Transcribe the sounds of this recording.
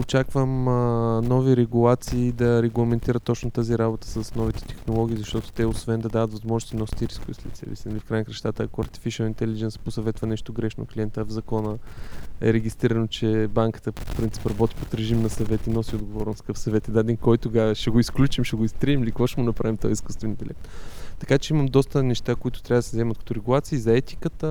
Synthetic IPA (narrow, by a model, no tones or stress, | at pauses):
ot͡ʃakvəmnɔviɾɛɡulˠat̪siːd̪ɐɾɛɡlˠɐmɛnt̪iɾət̪ːɔt͡ʃnot̪aziɾabot̪ə̥səsnɔvit̪ɛ̥t̪ɛ̥xnolˠɔɡ̟ʲiːzɐʃt̪ɔt̪o̥t̪ɛosvɛnd̪ɐd̪avət̪vɐzmɔʒnʊst̪inɔsi̥t̪iɾiskʊvislʲɛt̪sɛ̰vɛ̰sinɐlifkɾajnkɾɛʃt̪at̪əːkoɐ̰ɾt̪i̥fiʃəlˠint̪ɛlid͡ʒɛnsposɐvɛt̪vɐnɛʃt̪oɡɾɛʃno̰kliɛnt̪əvzɐkɔnəɛ̰ɾɛɡ̟ʲist̪ɾiɾɐnot͡ʃɛbaŋkə̥t̪əpɾint̪si̥pɾɐbɔt̪ʲi̥pot̪ɾɛʒimnɐsɐvɛt̪inɔsiod̪ɡovɔɾnʊst̪kəfsɐvɛt̪ɛd̪aɛd̪inkɔjt̪ʊɡaʃɛɡoisklʲut͡ʃimʃɛɡoist̪ɾiimilikvoʃɛɡonɐpɾavimt̪ɔjiskust̪vɛnb̪ilʲɛt̪ːɐkat͡ʃɛiməmd̪ɔst̪ənɛʃt̪akoit̪ʊ̥t̪ɾʲavəd̪ɐszɛmɐt̪̚kɐ̥t̪oɾɛɡʊlˠat̪siːzɐɛt̪i̥kət̪ə